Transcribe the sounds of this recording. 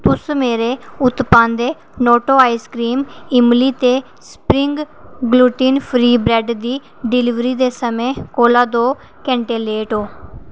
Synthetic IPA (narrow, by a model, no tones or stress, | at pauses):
t̪ʊsmeːɾeːʊt̪pãːnd̪eː | noːʈoːaːiːskɾiːmɪmliːt̪eː | spɾɪŋɡ | ɡluːʈiːnpʰɾiːbɾɛːɖd̪iː | ɖɪlɪʋɾiːd̪eːsəmẽːkoːlaːd̪oː | kɛ̃ːɳʈeːleːʈoː